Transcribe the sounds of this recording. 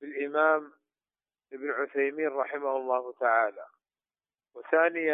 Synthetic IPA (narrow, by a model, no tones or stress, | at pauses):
bɪlʔɪmaːm | ʔɪbnʕʊθajmiːnɾˤɑħɪmahʊlˤːɑːht̪aʕaːla̰ | wɪθaːnɪja